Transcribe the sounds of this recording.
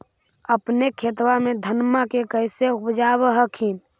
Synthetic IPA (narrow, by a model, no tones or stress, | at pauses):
əpnekʰet̪wamed̪ʱənmakekəjseupd͡ʒaβəɦəkʰin